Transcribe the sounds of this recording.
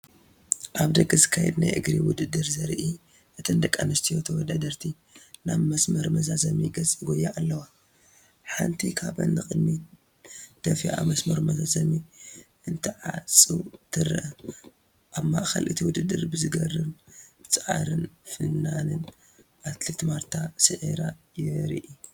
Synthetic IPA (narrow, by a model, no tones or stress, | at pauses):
ʔaβd̪ɐɡɐzɨkʰːajɛd̪na̰jʔɨ̰ɡɾiwʊd̪ɨd̪ːɨɾzɐɾʔi | ʔɨt̪ʰɐnd̪ɐkʼːanɐst̪ʰijot̪ʰɐwɔd̪ad̪ɐɾt̪ʰi | naβmɐsmɐɾmɐzazɐmiɡɐt͡sʼiɡojːaalːɐwa | ħant̪ʰikʰaβɐ̰nːɨxʼɨd̪mi | d̪̥ɐfiʔa̰mɐsmɐɾumɐzazɐmiʔɨnt̪ʰiʕat͡sʼːut̪ʰɨɾʔɐ | ʔaβmaʔxɐ̰lʔɨt̪ʰiwʊd̪ɨd̪ːɨɾbɨzɨɡɐrɨβb̥ɨt͡sʼʕa̰ɾɨnfɨnːanɨn | ʔat̪let̪maɾt̪ʰasɨʕeɾajɪɾiʔi